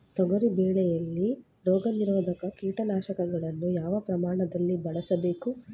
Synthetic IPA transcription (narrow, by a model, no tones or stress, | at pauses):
t̪ɔɡɐɾibɛːɭɛjɐlːi | ɾɔːɡɐniɾɔːd̪ʱɐkɐkiːʈɐnaːʃɐkɐɡɐɭɐnːujaːʋɐpɾɐmaːɳɐd̪ɐlːibɐɭɐsɐbeːku